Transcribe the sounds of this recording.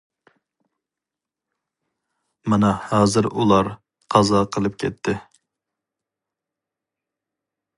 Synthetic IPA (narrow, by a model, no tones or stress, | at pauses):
mɛnɛhɑːzɨɾulˠɑɾ | qʰɑzɑqʰəlˠɨpkʲʰɛt̪ʰːɪ